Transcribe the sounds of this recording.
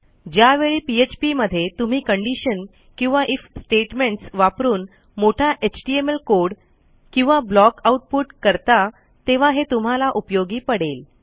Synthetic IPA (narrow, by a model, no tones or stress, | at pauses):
d͡ʑjaʋeɭiːpiet͡ɕpiməd̪ʱːjet̪um̤iːkəɳɖiɕən | kĩw̃ʋaʔifsʈeʈmeɳʈsʋapɾuːn | moʈʰaʔet͡ɕʈiemelkoɽ | kĩw̃ʋablɔkauʈ̚puʈkəɾt̪a | t̪eʋ̤aɦet̪um̤alaʔupjoɡiːpəɽel